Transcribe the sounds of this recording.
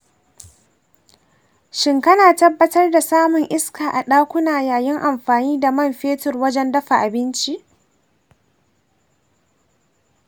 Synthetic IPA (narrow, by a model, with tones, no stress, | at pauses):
ʃɪ˦ŋkɐ˦naː˨tɐ˦bːɐ˦tɐ˦rda˨saː˦mʊ˨ŋʔɪ˦skaː˨ʔa˨ɗaː˦kʷʊ˦naː˨jaː˨jɪ˦ŋʔa˨mɸaː˨niː˦da˨mɐ˦˨mɸeː˦tʊ˨rwɐ˦d͡ʒɛ˦ndɐ˦ɸa˨ʔa˨bɪ˦nt͡ʃi˦ʔ